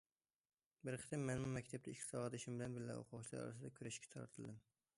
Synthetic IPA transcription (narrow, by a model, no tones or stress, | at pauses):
bɪɾqʰɨ̥t̪ʰɪmːenmʊmakʲt̪ʰap̚t̪aɪkʰʲːsɒʁɑd̪ɪʃɪmbɪlanbɪɾla̰o̰qʰʊʁt͡ʃʰla̰ɾɒ̰ɾa̰sɪd̪akʲʰʊɾaʃkʲʰḁt̪ʰɒɾa̰t̪ʰɪlˠd̪ɪm